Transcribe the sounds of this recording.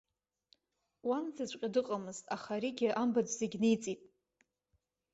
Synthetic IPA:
wanzazʷʼqʲʼadɨqʼamɨztʼaχaɾiɡʲɪʔambad͡ʒʷzeɡʲnejt͡sʼipʼ

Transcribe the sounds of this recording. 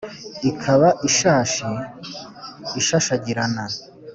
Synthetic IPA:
ikʰaβaʔiʃaːʃi | iʃaʃaɟiɾana

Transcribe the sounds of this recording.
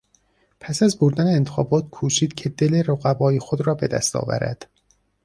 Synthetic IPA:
pʰæsæzboɾd̪æneːnt̪ʰexɒːbɒːt̪̚ʰkʰuːʃiːd̪̥̚cʰe̞d̪e̞leɾoɣæbɒːjexod̪ɾɒːbe̞d̪æ̰st̪ɒ̰ːvæ̰ɾæ̰d̪̥

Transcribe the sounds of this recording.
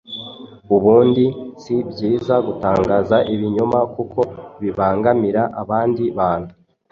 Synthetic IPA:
uβuːndisibɟiːzaɡutaːŋɡaːzaʔiβiɲomakuko̞βiβaːŋɡamiɾaʔaβaːndiβaːn̥hu̥

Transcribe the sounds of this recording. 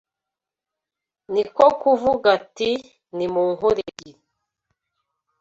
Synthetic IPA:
nikokuvuɡati | nimuːŋɦuɾeɟin

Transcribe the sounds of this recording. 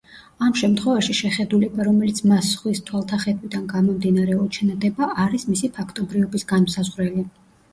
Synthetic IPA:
amʃɛmt̪ʰχwɛvaʃiʃɛχɛd̪ulɛbaɾɔmɛlit̪sʰmasχwist̪ʰwalˠt̪ʰaχɛbid̪anɡamɔmd̪inaɾɛɔt͡ʃʰɛnad̪ɛbaʔaɾismisipʰakʰt̪ʼɔbɾivɔbisɡanmsazʁɾɛli

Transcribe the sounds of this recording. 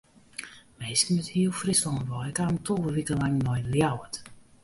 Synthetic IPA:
meːskənəthiəlˠfrisɔŋəʋɔjɪkaːmtʰɔlˠvəʋikəlaŋnɔjljawət

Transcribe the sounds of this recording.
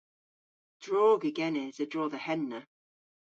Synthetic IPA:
d̥ɹɔːɡəɡɛnɪzədɹɔːðəhɛnːə

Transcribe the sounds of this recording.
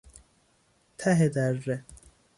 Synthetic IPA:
t̪ʰæɦed̪ærːe

